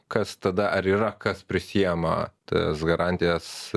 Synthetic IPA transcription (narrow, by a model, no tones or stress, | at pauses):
kɐst̪ɐd̪ɐʔɐɾiːɾɐkɐspʲɾʲɪsʲijɛmɐ̰tt̪ɐ̰sɡɐɾɑnʲt̪ʲɪjɛs